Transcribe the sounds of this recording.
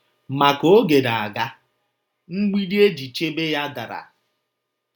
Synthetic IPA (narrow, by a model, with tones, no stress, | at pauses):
ma˨ko˨˦ɡe˨da˨a˨ɡa˦ | ŋ͡m̩˦ɡ͡bi˦di˦e˦d͡ʒi˨t͡ʃe˦be˦ja˦da̰˨ɾa̰˨